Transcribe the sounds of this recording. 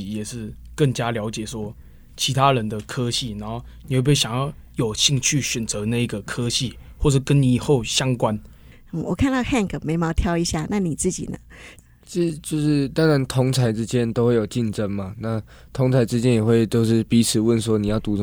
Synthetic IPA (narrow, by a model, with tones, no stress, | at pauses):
jɛ˨˩ʂɻ̩˥˧kə˥˩ŋt͡ɕja˦˥ljɑ˧˥ʊt͡ɕjɛ˨˩swɔ˥ | t͡ɕʰi˧˥t̪ʰa˥ɻə˨˦nd̪ə˨kʰɤ˦ɕi˥˩na˨˧˥nxo˥˩ʊni˨xwe˥˧˥e˥˩ɕa˨˩ŋjɑ˥˩ʊjo˨˩ʊɕi˥˧ŋt͡ɕʰy˥˩ɕɥɛ˨˩nt͡sə˧˦na˥˧i˧˥ɡə˨kʰɤ˦ɕi˥˨wɔ˥˩ʂɻ̩˥˩kə˦nni˨˩xo˥˨˩ʊɕjɑ˥ŋkwa˦n̩˥˩ | wɔ̰˨˩kʰa˥˧nt̪ɑ˥˧ʊxa˥˩ŋkʰə˨˩me˧˥ɪmɑ˧˥t̪ʰjɑ˥ʊi˧˥ɕja˥˩na˥˩ni˨˩t͡sɹ̩˥˩t͡ɕḭ˨˩nə̰˦ | t͡ɕi˥˩˨t͡ɕjo˥˧ʊʂɻ̩˥˩t̪ɑ˥ŋɻa˧˦nt̪ʰʊ˧˥ŋt͡sʰa˧˥ɪʈ͡ʂɻ̩˥t͡ɕjɛ˦˥nt̪o˥ʊxwe˥˩ɪjo˨˩ʊt͡ɕi˥˩nʈ͡ʂə˥ŋma˨na˥˩ | t̪ʰʊ˧˥ŋt͡sʰa˧˥ɪʈ͡ʂɻ̩˥t͡ɕjɛ˦˥njɛ˨˩xwe˥˧ɪt͡ɕ̪jo˥˧ʊʂɻ̩˥˩pi˧˥t͡s̩ʰ˨˩wə˥˨ns̬wɔ˥ni˨jɑ˥˩ʊt̪u˧˥˨